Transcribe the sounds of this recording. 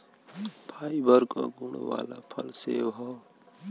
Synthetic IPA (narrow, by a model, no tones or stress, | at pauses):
pʰaibəɾkoɡuɽ̃o̰wa̰lapʰʌlsebɦɔ